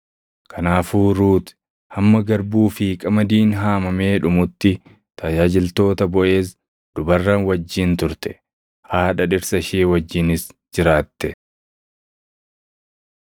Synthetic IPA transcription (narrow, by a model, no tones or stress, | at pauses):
kʰɐnaːfuːɾuːt̪ | hɐmːɐɡɐɾbuːfɪkʼɐmɐd̪iːnɦaːmɐme̞ːᶑʊmʊt̪ːɪ | t̪ɐd͡ʒaːd͡ʒɪlt̪o̞ːt̪ɐbɔʔe̞ːs | d̪̥ʊbɐrːɐnwɐd͡ʒːɪnt̪ʊɾt̪ɛ̥ | haːᶑɐᶑɪɾsɐʃeːwɐd͡ʒːɪnɪsd͡ʒɪɾaːt̪ːɛ